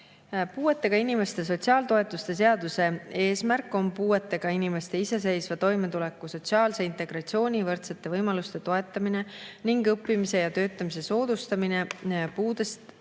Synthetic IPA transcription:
puːe̞t̪ːe̞ɡ̥ɑinime̞st̪e̞s̬o̞tʲsiɑːlt̪o̞e̞t̪ːˑust̪e̞s̬e̞ɑd̪̥use̞e̞ːsmæɾkːˑo̞mpuːe̞t̪ːˑe̞ɡ̥ɑinime̞st̪e̞ise̞se̞jsvɑt̪o̞jme̞t̪ule̞kːˑuso̞tʲsiɑːlse̞int̪e̞ɡ̥rɑt̪sio̞ːnʲivɤrt̪set̪ːˑe̞vɤjmɑlust̪e̞t̪o̞e̞t̪ːˑɑmine̞niŋɡɤpːimise̞jɑt̪ø̞ːt̪ˑːɑmise̞so̞ːd̪̥ust̪ɑmine̞puːd̪e̞st̪

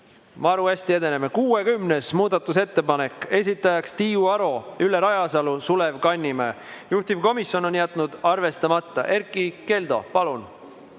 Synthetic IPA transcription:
mɑɾuæsʲt̪ie̞d̪e̞ne̞mekuːe̞kymne̞smuːd̪̥ɑt̪ːˑus̬e̞t̪ːe̞pɑne̞kːˑe̞s̬ʲit̪ːˑɑjɑkst̪iːuɑɾo̞ylːeɾɑjɑsɑlusule̞vkɑnʲːime | juht̪ivko̞misʲjo̞no̞njæt̪ˑnud̪̥ɑrve̞st̪ɑmɑt̪ˑːɑ̰ʔe̞rkˑːike̞ld̪̥o̞̰pɑlun

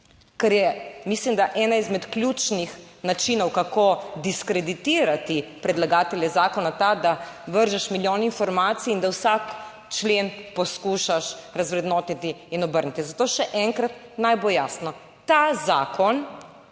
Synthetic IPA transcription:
kɛɾjɛmislimd̪aʔɛnaizmɛt̪klʲjuːt͡ʃnix | nat͡ʃinɔwkakod̪iskɾɛd̪it̪iːɾat̪ipɾɛd̪laɡaːt̪ɛljɛzaːkɔnat̪ad̪aʋəɾʒɛʃmiljoːninfɔɾmaːt̪siːnd̪awsak | t͡ʃleːnpɔskuʃaʃɾazʋɾɛd̪noːt̪it̪iːnɔbəɾnit̪izat̪oːʃɛʔɛŋkɾat̪ | najbojaːsnɔ | t̪azaːkʰɔn

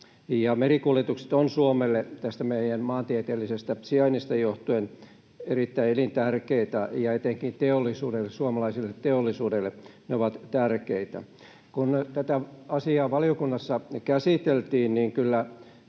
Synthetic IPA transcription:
jɑmerikuljet̪ukse̥t̪onsuomelːet̪æst̪æmeijænmɑːnt̪iet̪eːlːisest̪æsiɑinist̪ɑjoht̪uen | erit̪ːæielint̪ærkeit̪æjɑet̪eŋkint̪eolːisuːdelːessuomɑlɑisilːet̪ːeolːisuːdelːeneoʋɑt̪t̪ærkeit̪æ̰ | kunt̪æt̪æɑsiɑːʋɑliokunːɑsːɑkæsit̪elt̪iːnniŋkylːæ

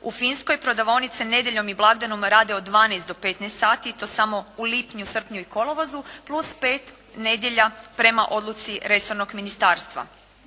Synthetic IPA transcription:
ufinsko̞jpɾod̪aʋonit̪sine̞d̪ʲje̞ʎo̞miblˠaɡd̪anomɾaːd̪eod̪ʋaːnejst̪o̞pet̪nest̪saːt̪it̪o̞ːsamo̞ulipɲusr̩pɲuiko̞lˠoʋozuplˠuspe̞ːt̪ | ne̞d̪je̞ʎapɾe̞maʔo̞d̪lut̪siɾe̞so̞ɾno̞ɡminist̪aːɾst̪ʋa̰

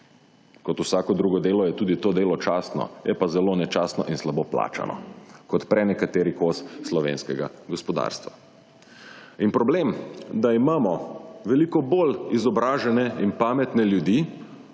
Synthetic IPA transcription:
kɔt̪usaːkɔd̪ɾuːɡɔd̪eːlɔjɛt̪uːd̪it̪oːd̪eːlɔt͡ʃaːst̪nɔ̰jʔɛpazɛloːnɛt͡ʃast̪nɔ̰ʔinslabopla̰ːt͡ʃa̰nʔɔ̰kɔt̪pɾɛnɛkat̪eːɾikosslɔʋḛːnskɛɡaɡɔspɔd̪a̰ːɾst̪ʋa̰ | inpɾɔblemd̪aimaːmɔʋɛlikɔbolizɔbɾaːʒɛnɛinpaːmɛt̪nɛljud̪i

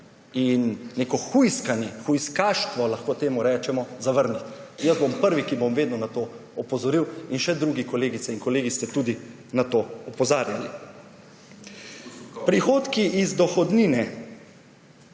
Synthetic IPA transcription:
inːekɔxujskanɛxujskaːʃt̪ʋɔlaxkoːt̪eːmuɾɛːt͡ʃɛmɔzaʋəɾnit̪jəzbompəɾʋikibomʋeːd̪nɔnat̪oːɔpɔzɔɾiwinʃɛd̪ɾuɡikɔleːɡit̪sɛinkɔleːɡist̪ɛt̪uːd̪i | nat̪oːɔpɔzaːɾjali | pɾixoːt̪kiʔizd̪ɔxɔd̪niːnɛ

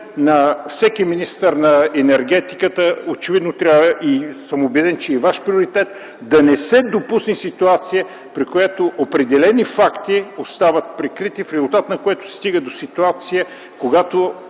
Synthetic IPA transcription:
nɐfsɛkiminist̪əɾnɐɛnɛɾɡ̟ɛt̪i̥kət̪əot͡ʃɛvid̪not̪ɾʲaəʔisəmobɛd̪ɛnt͡ʃɛivaʃpɾʲioɾit̪ɛt̪ | d̪ɐnɛsɛd̪opusnisit̪uat̪sijə | pɾikojat̪oʔopɾɛd̪ɛlɛnifakt̪iost̪avət̪̚pɾɛkɾit̪ifɾɛzulˠt̪at̪nɐkoɛt̪ʊ̥sst̪iɡəd̪osit̪uat̪sijə | koɡat̪o

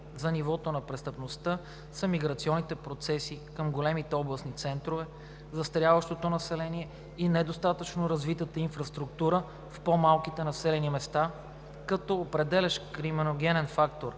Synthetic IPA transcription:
zɐnivɔt̪onɐpɾɛst̪əpnost̪ɤ | səmiɡɾɐt̪siɔnːit̪ɛpɾot̪sɛsikəmɡolɛmit̪ɛɔblˠəsnit̪sɛnt̪ɾovɛ | zɐst̪ɾjavəʃt̪ot̪onɐsɛlɛniɛ | inɛd̪ost̪at̪ət͡ʃnoɾɐzvit̪ət̪əinfɾɐst̪ɾuk̚t̪uɾə | fpomalˠkit̪ɛnɐsɛlɛnimɛst̪a | kɐt̪ɔopɾɛd̪ɛlʲɛʃkɾimɛnoɡ̟ɛnɛnfakt̪oɾ

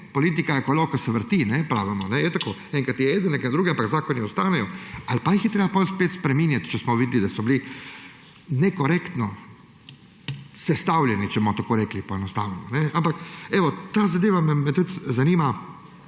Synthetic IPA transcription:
pɔliːt̪̬ikajɛkɔlɔkɔsɛʋəɾt̪inɛpɾaːʋɛmɔnɛjɛt̪akoɛŋkat̪jɛeːd̪ənɛkand̪ɾuːɡɛampaɡzaːkɔniɔst̪aːnɛjɔalpajixjɛt̪ɾeːbapɔlspeːt̪spɾɛmiːnjat̪t͡ʃɛsmɔʋiːd̪lid̪asɔbli | nɛkɔɾekt̪nɔ | sɛst̪awlʲjɛnit͡ʃɛbmɔt̪akoːɾɛːklipɔɛnɔst̪awnɛmɔnɛampakɛʋɔt̪aːzad̪eːʋamɛmɛt̪ut̪zaniːma

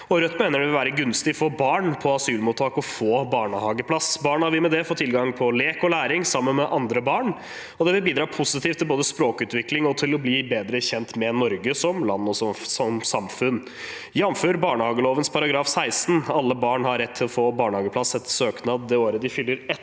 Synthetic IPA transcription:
ɔɾœt̪ːmeːnəɖɛʋɪlʋæːɾəɡʉnst̪ɪfɔbɑːɳpʰɔɑsʉːlmuːt̪ʰːɑːkɔfoːbɑːɳəhɑːɡəpʰlɑsbɑːɳhɑɾʋɪmɛd̪ɛfɔt̪ʰːɪlɡɑŋpʰɔleːkɔlæːɾɪŋsɑmːənmɛʔɑnd̪ɾəbɑːɳ | ɔd̪ɛʋɪlbiːd̪ɾɑːpʰʊsɪt̪ʰiːft̪ʰɪlboːd̪əspɾoːkʉːt̪ʋɪklɪŋɔt̪ʰɪlɔbliːbeːd̪ɾəçɛnt̪mɛnɔɾɡəsɔmlɑnːɔsɔsɔmsɑmfʉnː | jɑmføːɾbɑːɳəhɑːɡəloːʋənspʰɑɾɑɡɾɑːfsæɪst̪n̩ɑlːəbɑːɳhɑɾɛt̪ʰːɪlɔfoːbɑːɳəhɑːɡəpʰlɑsɛt̪ːsøːknɑːd̪d̪ɛoːɾəd̪ɪfʏlːəɾɛt̪

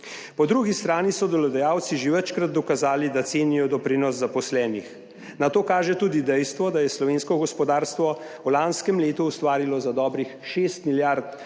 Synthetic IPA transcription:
pɔd̪ɾuːɡist̪ɾaːnisɔd̪ɔlɔd̪ɛjawt̪siʒeʋət͡ʃkɾad̪̚ːɔkazaːlid̪at̪seːnijɔd̪ɔpɾinɔsːapɔslɛːnix | nat̪oːkaːʒɛt̪uːd̪id̪ɛjst̪ʋɔd̪ajɛslɔʋeːnskɔɡɔspɔd̪aːɾst̪ʋɔ | ulanskɛmleːt̪uːst̪ʋaːɾilɔzad̪ɔːbɾixʃeːst̪miljaɾt̪̚

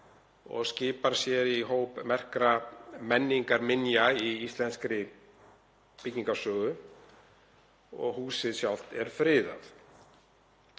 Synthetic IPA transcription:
ɔ̰ɣscɪːpaɾ̥sjɛɾiɦoːwpmɛr̥kɾamɛnːiŋkaɾmɪnjaiist̪lɛnskɾɪ | pɪciŋkasœːɣʏ | ɔ̰ɣhuːsɪðsjawl̥t̪ɛɾ̥fɾɪːða̰θ

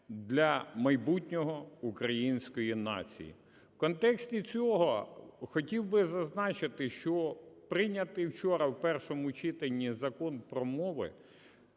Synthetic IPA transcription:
d̪lʲɐmɐjbutʲnʲɔɦɔukɾɐjinʲsʲkɔjinɑ̰t͡sʲḭjḭ | wkɔnt̪ɛksʲt̪ʲit͡sʲɔɦɔxɔtʲiwbɪzɐznɑt͡ʃɪt̪ɪʃt͡ʃɔpɾɪnʲɐt̪ɪwt͡ʃɔɾɐwpɛrʃɔmʊt͡ʃit̪enʲːizɐkɔnpɾɔmɔʋɪ̰

